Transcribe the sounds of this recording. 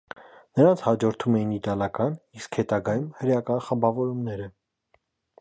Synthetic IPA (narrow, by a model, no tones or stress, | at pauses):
nəɾɑnt͡sʰhɑd͡ʒɔɾt̪ʰumɛjinit̪ɑlɑkɑniskhɛt̪ɑɡɑjumhəɾjɑkɑnχəmbɑvɔɾumnɛɾə